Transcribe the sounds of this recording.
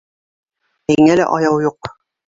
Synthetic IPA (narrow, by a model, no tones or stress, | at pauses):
hiŋælæ̰ʔɑjɑwjuq